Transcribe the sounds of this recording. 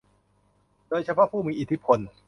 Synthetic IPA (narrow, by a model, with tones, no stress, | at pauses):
doː˧jt͡ɕʰa˧pʰɔ˦˥pʰuː˥˩miː˧ʔi˨˩t̪ʰi˦˥pʰo˧n